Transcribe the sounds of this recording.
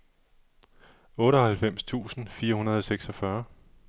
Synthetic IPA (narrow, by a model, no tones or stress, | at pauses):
ɔ̽ːɾəɒhælfem̰st͡sʰṵːsn̩fiːɐhunɐð̞ˠɒ̽seɡ̥sɒ̽fɶɐ